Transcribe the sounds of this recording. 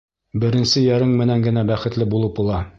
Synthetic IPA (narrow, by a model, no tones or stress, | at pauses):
bɘ̆ɾɘ̆nsɘjæɾɘɴmɘ̆næŋɡɘ̆næbæχɘ̆t̪lɘbulˠɤpulˠɑ